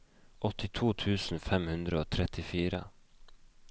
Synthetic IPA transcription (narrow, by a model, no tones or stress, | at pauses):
ʔɔt̪ɪt̪ʰuːt̪ʰʉːsn̩fɛmhʉnd̪ɾəoːt̪ʰɾɛt̪ɪfiːɾə̰